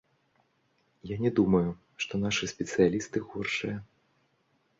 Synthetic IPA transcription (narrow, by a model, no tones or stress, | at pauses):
janʲɛd̪umɐju | ʂt̪ɔnaʂɨsʲpʲɛt̪sɨjalʲist̪ɨɣɔrʂɨjɐ